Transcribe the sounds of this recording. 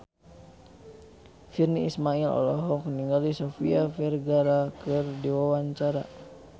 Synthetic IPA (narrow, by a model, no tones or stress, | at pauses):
firniismailɔ̰lɔɦɔkniŋɡalisofiafɛrɡaɾakɨrdiwawaɲt͡ʃaɾa